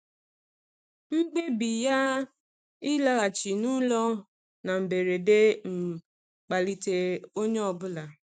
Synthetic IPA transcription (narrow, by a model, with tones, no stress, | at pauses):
ŋ͡m̩˦ɡ͡be˦bi˨ja˦ | ɪ˦la˦a˨t͡ʃi˨nu˦lɔ˦ | na˨m̩˨be˨ɾe˨de˦ŋ͡m̩˨ | k͡pa˨li˨te˨o˦ɲe˦ɔ˨bʊ˦la˨